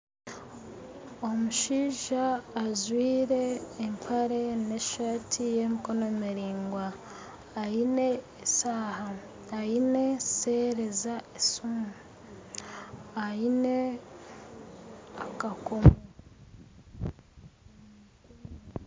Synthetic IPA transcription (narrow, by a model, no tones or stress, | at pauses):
omuʃiːʒaːzwiːɾe̞ːmpʰaɾe̞neʃaːtʰije̞mikonomiɾiːŋɡwaː | ine̞ː | saːhaː | ine̞se̞ɾe̞zaesum | aine̞ | akakomo